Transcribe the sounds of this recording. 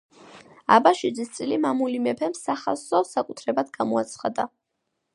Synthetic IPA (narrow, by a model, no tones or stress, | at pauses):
a̰baʃwid̪zist̪sʼilimamulimɛpʰɛmsaχa̰sɔsakʼut̪ʰɾɛbad̪ɡamɔat̪sʰχad̪a